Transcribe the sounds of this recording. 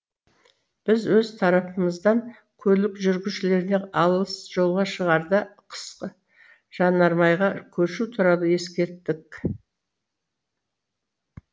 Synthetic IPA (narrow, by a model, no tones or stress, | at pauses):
b̥ɪzwɵzt̪ʰɑɾɑpəməzd̪ɑŋ | kʲʰɵlɪkʒʏɾɡʲɪʃɪle̞ɾɪneɑlˠəsʒ̥o̞lˠʁɑʃəʁɑɾd̪əqʰə̥sqə | ʒ̥ɑnɑɾmɑjʁɑkʲʰɵɾʃut̪ʰʊɾɑlˠəje̞skʲe̞ɾt̪ːɪk